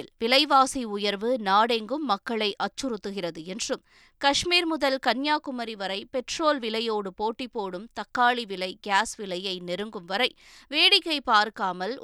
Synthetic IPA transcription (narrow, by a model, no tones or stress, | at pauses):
ɪlʋɪlɐɪʋaːsiʊjɐɾʋɯnaːɽeŋɡɯmːɐkːɐɭɐɪʔɐt͡ʃːɯɾɯt̪ːɯɣɪrɐðɯɛndrɯm | kɐʂmiːɾmʊðɐlkɐnjaːkʊmɐɾiʋɐɾɐɪpɛʈroːlʋɪlɐjoːɽɯpoːʈːipːoːɽɯmt̪ɐkːaːɭiʋɪlɐɪɡaːsʋɪlɐjɐɪnɛɾɯŋɡɯmʋɐɾɐɪ | ʋeːɽɪkːɐɪpaːɾkaːmɐl